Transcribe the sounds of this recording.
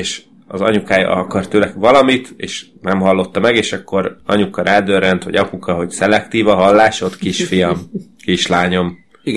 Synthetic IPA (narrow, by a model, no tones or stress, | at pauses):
eːʃ | ɒ̰zɒ̰ɲukaːjɒ̰ɒkɒrt̪øːlɛɡʋɒlɒmit̪ḛːʃ | nɛmɦɒlːo̞t̪ːɒmɛɡeːʃɒkːo̞ɾɒ̰ɲukːɒɾʔaːd̪øːrɛnt̪ʋɒ̰ɟɒpukɒɦo̞ɟsɛlɛkt̪iːvɒɦɒlːaːʃot̪kiʃfijɒmkiʃlaːɲo̞m